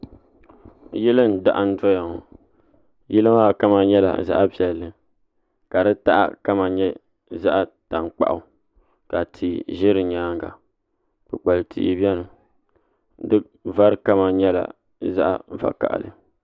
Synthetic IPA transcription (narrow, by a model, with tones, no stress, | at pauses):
jɪ˦lɨ˦n˦da̰˨ʔa˦n̩˦dɔ˦ja˨ŋɔ˨ | jɪ˦lɨ˦ma˦˨ka˦ma˨ɲɛ˦la̰˨za̰˦ʔa˦pi˨ɛ˨lːɨ˨ | ka˨dɨ˦ta˦ʔa̰˦ka˦ma˨ɲɛ˦ | za˦ʔa˦ta˨ŋk͡pa̰˦ʔʊ˨ | ka˨tʰi˨ʒɪ˦ɾɨ˨ɲaː˦ŋɡa̰˨ | k͡pɨ˨k͡pa˨lɨ˨tʰḭ˨˦bɛ˦nɨ˨˦ | dɨ˦ | va˦ɾɨ˦ka˦ma˨ɲɛ˦la̰˨ | za̰˦ʔa̰˨va̰˨ka̰˨ʔa̰˨lɨ̰˨